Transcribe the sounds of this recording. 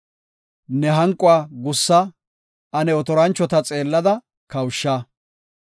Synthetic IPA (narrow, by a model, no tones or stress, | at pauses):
nɛɦɐŋkʼʊaːɡʊsːɐ | ɐnɛɔt̪ɔɾɐnt͡ʃːɔt̪ɐt͡sʼe̞ːlːɐd̪ɐ | kɐwʃːɐ